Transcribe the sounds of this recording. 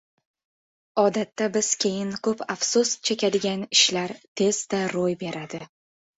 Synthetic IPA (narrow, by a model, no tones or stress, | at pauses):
ɒd̪at̪ːabɪz̥kʲʰe̞jɪŋkʰɵpafsʊst̪t͡ʃʰekʲad̪ɪɡʲanɪʃlaɾt̪ʰe̞z̥d̪aɾojbe̞ɾad̪ɪ